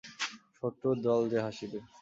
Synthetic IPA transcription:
ʃoʈ̪ːod̪ɔld̪eɦaʃibe

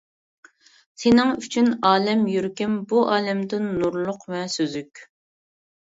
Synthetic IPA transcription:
senɪŋyt͡ʃʰynɑːlɛmjyɾkʲɪmbuʔɑːlɛmd̪ɪnːuɾlˠʊqvɛsøzykʲ

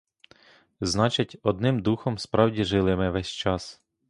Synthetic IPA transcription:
znɑt͡ʃɐtʲɔd̪nɪmd̪uxɔmspɾɑwdʲiʒɪlˠɪmɪʋɛsʲt͡ʃɑs

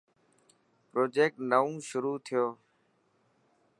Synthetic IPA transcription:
pɾoːd͡ʒeːk̚ʈnəũːʃʊɾuːt̪ʰɪjoː

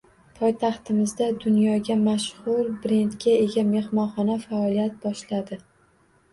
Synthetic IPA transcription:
pʰɒjt̪ʰɑχt̪ɪmɪzd̪ad̪ʊnjɒɡʲamaʃhʊɾbɾe̞nt̪ɡʲae̞ɡʲame̞hmɒnχɒnafaɒlijat̪̚bɒʃlad̪ɪ

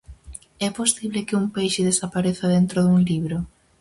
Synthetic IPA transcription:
ɛposiβlekɪuŋpejʃɪðesapaɾeθaðent̪ɾoðuŋliβɾo

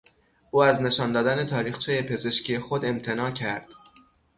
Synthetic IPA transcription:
ʔuːæzne̞ʃɒːnd̪ɒːd̪æne̞t̪ʰɒːɾiːxt͡ʃʰeje̞pʰe̞ze̞ʃcʰijexod̪e̞mt̪ʰe̞nɒːcʰæɾd̪̥

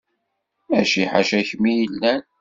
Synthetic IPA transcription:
æʃiħaʃæçmijəlːæn

